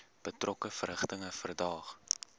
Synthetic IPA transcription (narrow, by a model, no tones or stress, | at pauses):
b̥ətrɔkəfəɾɦəχtəŋəfərdɑːχ